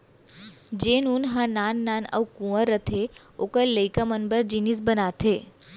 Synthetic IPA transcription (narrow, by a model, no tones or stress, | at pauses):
d͡ʒenunɦãnanːanə̰wkũəɾət̪ʰeokəɾləjkamənbəɾd͡ʒinis̬bənat̪ʰe